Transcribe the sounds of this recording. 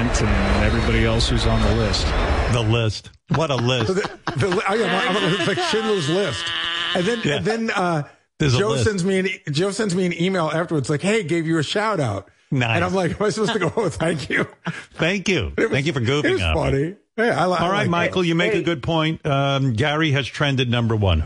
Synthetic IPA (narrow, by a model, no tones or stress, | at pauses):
ntɨ̃nɨ̃nɛvɹibɑɾiɛlˠshʉzn̩ðəlɪst̚ðəlɪst̚ | wʌɾəlɪsðɨðɨlʔoʊjæ̃mãɪmɨslaɪkʃɪ̃nluzlɪstɨ̃nðɨ̃njæɨ̃nðɨ̃nʌ | ðə˞zd͡ʒoʊssɛ̃ndzmiɨ̃nid͡ʒoʊsɛ̃ndzmiɨ̃nimeɪlˠæftə˞wə˞dz̥laɪkheɪɡeɪvjɨɨʃaʊɾaʊt̚ | naɪɨ̃ñãɪ̃mlaɪkãɪmasə̥pʰoʊtɨɡoʊθæ̃ŋkʰjʉθæ̃ŋkjʉ̰θɪtwæ̃k̬jʉfə˞ɡuvɪ̃ŋʌ̰fʌɾi | jæaɪlaɔlˠɹaɪt̚maɪkl̩ˠjɨmeɪkɨɡʊd̚pʰɔ̃ɪ̃nt̚ʌɡæɹiɨz̥tʰɹ̥ɛ̃ndɨdⁿnʌ̃mbə˞wʌ̰̃n